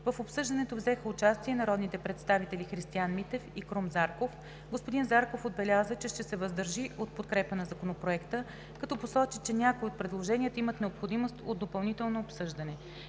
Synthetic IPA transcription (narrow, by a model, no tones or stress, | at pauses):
vəfopsɤʒd̪ɐnɛt̪ovzɛxəʊt͡ʃast̪iɛnɐɾɔd̪nit̪ɛpɾɛt̪st̪avit̪ɛlʲixɾist̪ianmit̪ɛfikɾomzaɾkof | ɡospod̪inzaɾkofod̪̚bɛlʲazət͡ʃɛʃt̪ɛsɛvəzd̪əɾʒiʔot̪̚pot̪kɾɛpənɐzɐkonopɾoɛkt̪ə | kɐt̪ɔposɔt͡ʃit͡ʃɛnʲakoiot̪̚pɾɛd̪lˠoʒɛnʲiət̪imət̪nɛopxod̪imost̪od̪d̪ːopɐlˠnit̪ɛlˠnoːpsɤʒd̪ɐnɛ